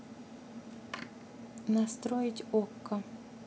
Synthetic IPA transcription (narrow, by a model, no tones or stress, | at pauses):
nast̪ɾojɪtʲɔkːɐ